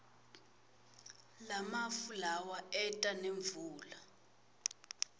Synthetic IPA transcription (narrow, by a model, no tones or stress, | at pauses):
lamafulawaɛtʼaneɱvuːla